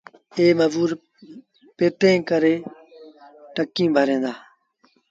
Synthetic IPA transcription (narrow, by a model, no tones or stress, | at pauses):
eːməʋuːɾ | peːt̪ẽːkəɾeː | ʈəkːĩːbʱəɾẽːnd̪aː